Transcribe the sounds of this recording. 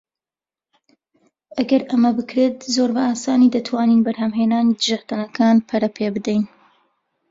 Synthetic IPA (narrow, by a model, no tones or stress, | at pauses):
ʔɐɡɐɾʔɐmɐbɨkɾet̪̚zoːɾbɐaːsaːniːd̪ɐt̪ʰwaːniːnbɐɾhɐmɦeːnaːniːd̪ɨʒaxt̪anɐkʰaːnpʰɐɾɐpʰeːbɨd̪ɛjn